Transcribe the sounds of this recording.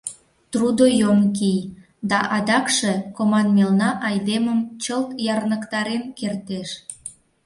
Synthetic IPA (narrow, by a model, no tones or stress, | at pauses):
t̪rud̪ojomkij | d̪ɑʔɑd̪ɑkʃekomɑnmelnɑʔɑjd̪eməmt͡ɕəlt̪jɑrnəkt̪ɑɾenkert̪eʃ